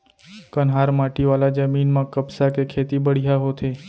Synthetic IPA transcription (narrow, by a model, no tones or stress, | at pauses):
kənɦaɾmaʈiʋalad͡ʒəminmãkəbsakekʰet̪ibəɽ̤ijaɦot̪ʰe